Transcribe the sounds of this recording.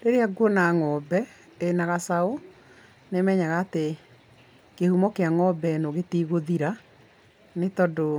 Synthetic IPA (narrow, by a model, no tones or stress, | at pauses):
ɾeɾeaɡwɔnaŋɔːbɛ | enaɣasao | nemɛɲaɣaːte | kehumɔkeaŋɔbɛnoɣetiɣoðiɾa | netɔdo